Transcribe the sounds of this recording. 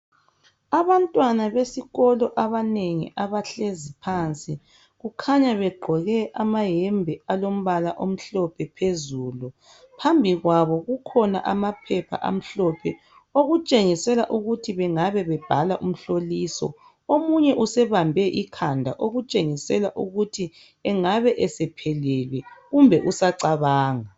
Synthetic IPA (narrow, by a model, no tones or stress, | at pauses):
aβantʼwanaβesiɣɔlɔʔaβaneŋḭʔaβaɬezipʰaːnt͡sʼi | ɣukʰaɲaβɛɡ͡ǃʱɔɣɛʔamaɦɛmbʱɛalom̩βalaʔom̩ɬɔpʰɛpʰezuːlu | pʰambʱiɣwaβɔɣukʰɔna̰ʔamapʰɛpʰa̰ʔa̰m̩ɬɔpʰɛ | oɣut͡ʃʼeŋisɛlaʔuɣutʰiβɛŋaβɛβɛb̥ʱalaʔum̩ɬolisɔ̰ | omuɲɛʔusɛβambʱɛʔikʰandʱaʔoɣut͡ʃʼeŋisɛlaʔuɣutʰi | ɛŋaβɛʔɛsɛpʰɛlɛlwɛɣumbʱɛʔusaǀaβaːŋa